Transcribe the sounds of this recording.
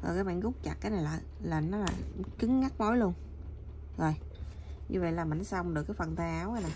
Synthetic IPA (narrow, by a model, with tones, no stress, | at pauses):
zo̰˨˩jkaː˨˦jɓa̰ː˧˨nɣʊ˦˥k͡p̚t͡ɕa̰˨˩k̚kaː˨˦jna˨˩jlaː˨˩ | laː˨˩nɔ˨˦laː˨˩kɨ˨˦ŋŋa˦˥k̚mo˧˦jlu˧ən | zo˨˩j | ɲɨ̰˧və̰˧˨jlaː˨˩ma˨˩n˨˦sa˧wŋ͡mɗɨ˨˩əkːaː˨˦jfə˨˩nt̪aː˧ʔaː˨˦waː˧jnaː˨˩